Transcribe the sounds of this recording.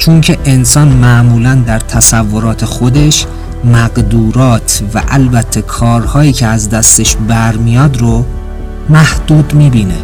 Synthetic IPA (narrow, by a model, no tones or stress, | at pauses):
t͡ʃʰoŋcʰe̞ʔensɒːnmæʔmuːlænd̪æɾt̪ʰæsævːo̞ɾɒːt̪ʰe̞xod̪e̞ʃ | mæɢd̪uːɾɒːt̪ʰvæ̰ʔælbæt̪ʰːe̞kʰɒːɾhɒːjiːcʰeæzd̪æst̪eʃbæɾmijɒːd̪ɾo | mæhd̪̥uːd̪miːbiːnḛ